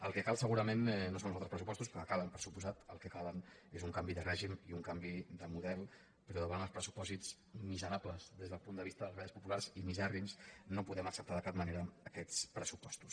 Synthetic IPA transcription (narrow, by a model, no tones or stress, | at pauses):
əlˠkəkalˠsəɣuɾəmennːosõnl̩zat̪ɾəspɾəsupɔst̪uspɾɔəkaβəmpəɾsupuzat̪əlˠkəkalənezuŋkambiðərɛʒimiuŋkambiðəmuðɛlˠ | pəɾɔðəβanəlˠspɾəsu̥pɔzit͡s | mizəɾapləzðezðəlˠpund̪əβist̪əðəlˠβɛəspupulaɾzimizɛrimsnopuðɛməksəp̚t̪aðəkap̚məneɾəːkɛt͡spɾəsupɔst̪u̥s